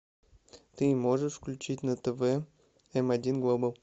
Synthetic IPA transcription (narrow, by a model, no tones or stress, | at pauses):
t̪ɨmoʐəʂfklʲʉt͡ɕitʲnɐt̪əvɛ | ɛmɐdʲinɡlˠobəlˠ